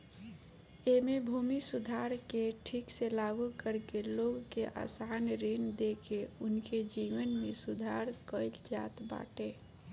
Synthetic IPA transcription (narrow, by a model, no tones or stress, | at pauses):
emebʱumisud̪ʱaɾkeʈʰikselaɡukəɾkeloɡkeʔa̰sanɾind̪ekeʊnked͡ʒiʋənmesud̪ʱaɾkəɪld͡ʒa̰t̪ba̰ʈe